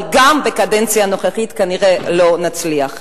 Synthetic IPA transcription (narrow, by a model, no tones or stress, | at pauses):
ɡambekadent͡sjano̞χeχitkaniʁelo̞nat͡sliaχ